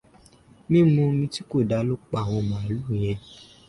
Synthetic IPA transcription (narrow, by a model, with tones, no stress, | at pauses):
mĩ˦mũ˧mĩ˧ti˦ko˦˨da˧˦lo˦k͡pa˨w̃ɔ̃˧mã˨a˨˦lũ˦˨j̃ɛ̃˧